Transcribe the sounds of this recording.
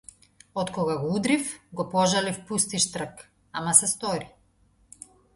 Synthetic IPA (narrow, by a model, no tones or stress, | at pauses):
ɔt̪kɔɡaɡɔud̪ɾifɡɔpɔʒalifpust̪iʃt̪r̩k | amasɛst̪ɔɾi